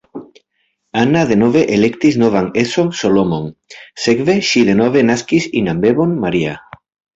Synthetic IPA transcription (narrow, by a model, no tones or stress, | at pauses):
anaðe̞nove̞ʔelekt̪iznovaŋesosolomonsekve̞ʃiðe̞nove̞naskisinambe̞βonmaɾia